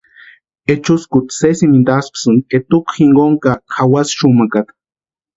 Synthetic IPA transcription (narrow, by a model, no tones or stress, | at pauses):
et͡ʃuskʊt̪sesimind̪aspsɨnet̪ukxiŋɡoŋkakʰawasʃumakat̪